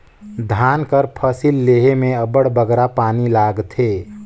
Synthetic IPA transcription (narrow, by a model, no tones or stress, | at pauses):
d̪ʱaːnkəɾpʰəsilːeːɦemẽəbəɽbəɡɾapaːnilaːɡt̪ʰeː